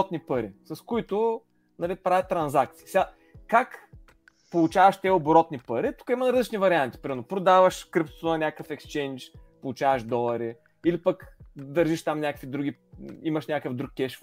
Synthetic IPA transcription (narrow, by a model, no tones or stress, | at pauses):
t̪nipəɾisɐskʊit̪ʊ | nɐlipɾavɛət̪ːɾɐnzak̚t̪siisɛɡa | kak | polˠut͡ʃavɐʃt̪ʲɛoboɾɔt̪nipəɾit̪u̥kəimənɐɾəzit͡ʃnivɐɾiant̪i̥pɾʲimɛɾnopɾod̪avəʃkɾipt̪o̥t̪nɐnʲakəfɛkst͡ʃɛnt͡ʃpolˠʊt͡ʃavəʃd̪ɔlˠɐɾi | ilipəkd̪ɐɾʒiʃt̪amnʲakəkvid̪ɾuɡʲiiməʃnʲakəfd̪ɾukːʲɛʃ